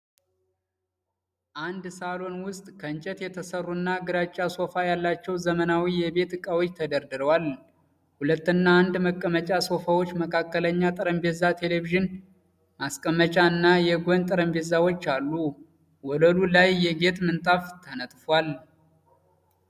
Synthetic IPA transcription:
ʔand̪salo̞nwʊst̪ʼkʰəɨnt͡ʃʼɛt̪jɛt̪ʰəsərːunːaɡɨɾat͡ʃʼːaso̞fajalːat͡ʃːɛwzəmənawijɛbe̞t̪ɨkʼawot͡ʃːt̪ʰəd̪əɾd̪ɨɾəwal | hulət̪ːɨnːaːnd̪məkʼːəmət͡ʃʼaso̞fawot͡ʃːməkʰakːələɲːat̪ʼɨɾəmbezat̪ʰe̞le̞viʒɨn | maskʼəmːət͡ʃʼaɨnːajɛɡʷont̪ʼɨɾəmbe̞zawo̞t͡ʃːalːu | wɔləlulajːɛɡe̞t̪mɨnt̪ʼaft̪ʰənət̪ʼfwal

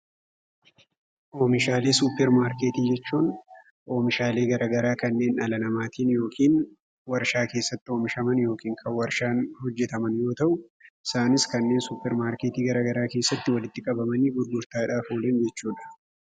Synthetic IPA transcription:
ʔo̞ːmɪʃaːle̞ːsʊpːɛɾmaːɾkeːt̪iːd͡ʒɛt͡ʃːuːn | ʔo̞ːmɪʃaːle̞ːɡɐɾɐːɡɐɾaːkɐnːe̞ːnɐlɐnɐmaːt̪ʰiːnjo̞ːkʰiːn | wɐɾʃaːke̞ːsːɐt̪ːɪoːmɪʃɐmɐnjo̞ːkiːŋkʰɐwɐɾʃaːnhɔd͡ʒːɛt̪ɐmɐnjo̞ːt̪ɐʔʊʔɪsaːnɪskɐnːe̞ːnsʊpːɛɾmaːɾkeːt̪iːɡɐɾɐɡɐɾaːke̞ːsːɐt̪ːɪwɐlɪt̪ːɪkʼɐbɐmɐniːbʊɾɡʊɾt̪aːɪᶑaːfoːleːnd͡ʒɛt͡ʃːuːᶑɐ̥

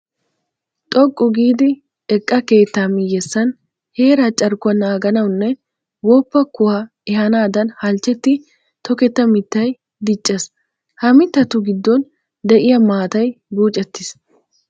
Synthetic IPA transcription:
t̪ʼɔkʼːʊɡiːd̪ɪ | ɛkʼːɐke̞ːt̪ːaːmɪjɛsːɐn | he̞ːɾɐt͡ʃʼːɐɾkʊɐnaːɡɐnɐwnːɛ | wɔːpːɐkʊwa | ɛhɐnaːd̪ɐnhɐlt͡ʃːɛt̪ːɪ | t̪ɔkɛt̪ːɐmɪt̪ːɐj | d̪ɪt͡ʃʼːɛs | hɐmɪt̪ːɐt̪ʊɡɪd̪ːɔn | d̪ɛʔɪjɐmaːt̪ɐjbuːt͡ʃʼːɛt̪ːɪs

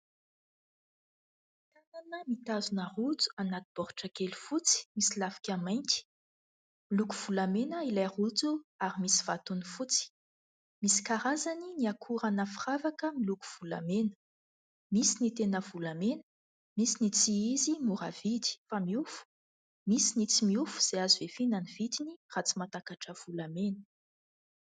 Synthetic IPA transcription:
t̪ananəmit̪azunaʁut͡su̥anat̪i̥b̥ɔɾuʈ͡ʂakelu̥fut͡si̥misilafi̥kʲamajnt̪i̥ | milukuv̥ulamenəilajrud͡zuaɾimisi̥v̥at̪unifut͡si̥ | misi̥kaɾazaniniakʰuɾanəfiravakəmiluku̥v̥ula̰menə̥ | misinit̪enəvulamenə̥ | misinit͡siizimuɾavid̪i̥famiufu̥ | misinit͡simiufu̥z̥eazivefinanivit̪inirat͡simat̪akaʈ͡ʂəv̥ulamenə̥

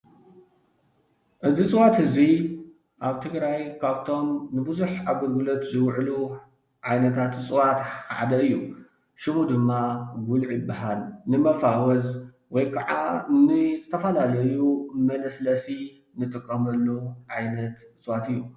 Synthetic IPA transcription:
ʔɨzit͡sʼɨwat̪hɨzi | ʔaβt̪ʰɨɡɾajkʰaβt̪ʰo̞mnɨbɨzuħaβɐɡulot̪zɨwʕlu | ʕajnɐt̪ʰat̪t͡sʼɨwat̪ħħa̰ʕd̪ɐɨjːu | ʃɨmud̪ɨmːaɡʊlʕibːaɦalnɨmɐfawɐz | wɔjkʰaʕa̰nɨzɨt̪ʰɐfɐlalɐjumɐlɐslɐsi | nɨt̪ʼɨkʼːɐmɐlːuʕajnɐt̪t͡sʼɨwat̪ɨjːu

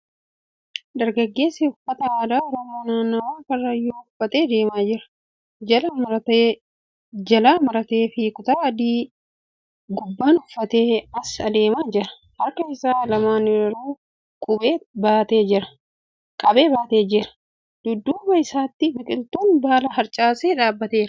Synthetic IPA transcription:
d̪ɐɾɡɐɡːe̞ːsɛʊfːɐt̪ɐaːd̪aːɔɾɔmoːnaːnːɐwaːkɐrːɐjoʊfːɐt̪ʼeːd̪e̞ːmaːd͡ʒɪɾɐ̥ | d͡ʒɐlamɐt̪ː | d͡ʒɐlaːmɐɾɐt̪e̞ːfɪkʊt̪ɐɐd̪iː | ɡʊbːaːnʊfːɐt̪e̞ːɐsɐd̪e̞ːmaːd͡ʒɪɾɐ̥ | hɐɾkɐɪsaːlɐmaːnɪɾɪɾuː | kʼʊbeːbaːt̪e̞ːd͡ʒɪɾɐ̥ | kʼɐbe̞ːbaːt̪e̞ːd͡ʒɪɾɐ̥ | d̪̥ʊd̪ːuːmɐɪsaːt̪ːɪbɪkʼɪlt̪uːnbaːlɐɦɐɾt͡ʃʼaːseːᶑaːbːɐt̪eːɾ

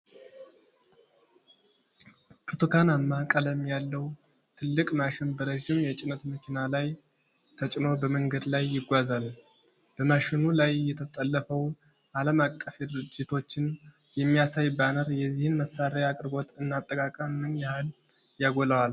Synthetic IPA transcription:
pʰɾot̪ʰokʰanamːakʼəlɛmːijalːəw | t̪ʰɨlːɨkʼmaʃɪnbəɾəʒɪmjɛt͡ʃʼɪnət̪məkʰinalaj | t̪ʰət͡ʃʼno̞bəməŋɡəd̪lajːɪɡʷazal | b̥əmaʃɪnulajːɛt̪ʰət̪ʼəlːəfəw | ʔaləmakʼːəfed̪ɨɾɨd͡ʒːɪt̪ʰo̞t͡ʃːɪn | jɛmːijasajbanəɾjɛzihɨnməsaɾajakʼɨɾɡo̞t̪ɨnːat̪ʼːəkʼakʼəmːɨnjɛhal | jaɡoləwal

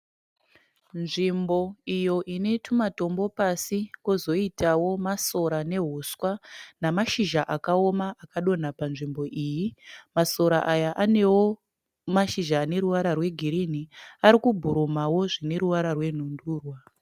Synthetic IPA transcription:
nʐimbo̞ijo̞ʔine̞tʰumato̞mbo̞pasikozo̞itawo̞maso̞ɾane̞ɦuswanamaʃiʒaʔakao̞maakaɗo̞napanʐimbo̞ʔiːjimaso̞ɾaʔajaʔane̞wo̞ | maʃiʒaːne̞ɾuʋaɾarwe̞ɡʱiɾiniaɾikubʱuɾomawo̞ʐine̞ɾuʋaɾarwe̞n̤unduːrwa

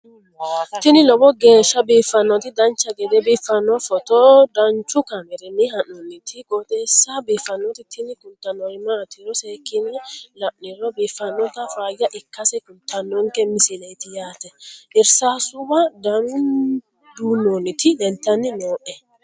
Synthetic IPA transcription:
t̪ɪnɪlɔbɔɡe̞ːʃːɐbiːfːɐnːɔt̪ɪd̪ɐnt͡ʃːɐɡɛd̪ɛbiːfːɐnːɔfɔt̪ɔd̪ɐnt͡ʃːʊkɐmɛɾɛmɪɦɐnːɔnːɪt̪ʰɪɡot̪ʼeːsːɐbiːfːɐnːɔt̪ɪt̪ʰɪnɪkʊnt̪ːɐnɔɪmaːt̪ɪɾɔseːkːɪnːɛlɐʔɪɾɔbiːfːɐnːɔt̪ɐfaːjːɐʔɪkːɐsɛkʊnt̪ːɐnːɔŋkɛmɪsɪlɛjt̪ɪjaːt̪ɛʔɪɾsaːsʊbɐd̪ɐnʊn | d̪uːnːɔnːɪt̪ɪd̪ɛnt̪ːɐnːɪnoːʔɛ

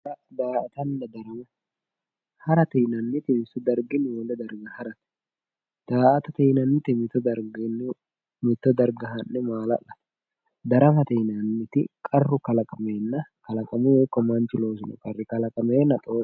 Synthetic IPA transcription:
ɾɐd̪aːʔɐt̪ɐnːɐd̪ɐɾɐmʊ | hɐɾɐt̪iːnɐnːɪt̪ɪmɪsʊd̪ɐɾɡɪnwɔlɛd̪ɐɾɡɐhɐɾɐt̪ | d̪̥aːʔɐt̪ɐt̪inɐnːɪt̪ɪmɪt̪ɔd̪ɐɾɡɪn | mɪt̪ːɔd̪ɐɾɡɐɦɐnːɪmaːlɐ̰ʔɐ̥ | d̪ɐɾɐmɐt̪iːnɐnːɪt̪ɪkʼɐrːʊkɐlɐkʼɐmeːnːɐkɐlɐkʼɐmʊjoːkːɔmɐnt͡ʃɪlo̞ːs̬ʊnʊ̰kʼɐrːɪkɐlɐkʼɐmeːnːɐt̪ʼoː

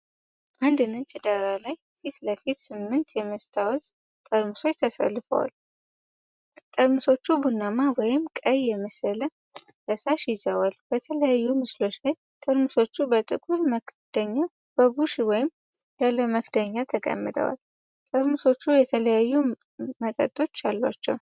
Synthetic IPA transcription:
ʔand̪ɨnɨnt͡ʃʼɪd̪aɾalaj | fit̪ləfit̪sɨmːɨnt̪jɛməst̪ʰawɔz | t̪ʼəɾmɨso̞t͡ʃːt̪ʰəsə̰lːɨfə̰wa̰l | t̪ʼəɾmuso̞t͡ʃːubunːamawɔjɪmkʼəjːɛməsələ | bəsaʃɪzəwalb̥ət̪ʰələjajːumɨslo̞ʃaj | t̪ʼəɾmuso̞t͡ʃːubət̪ʼɨkʼulməkd̪̥əɲːa | b̥əbuʃwɔjɪm | jalːəməkd̪əɲːat̪ʰəkʼə̰mːɨt̪ʼʰə̰wa̰l | t̪ʼəɾmuso̞t͡ʃːujɛt̪ʰələjajːu | mət̪ʼə̰t̪ʼo̞t͡ʃːalːwa̰t͡ʃːɛw

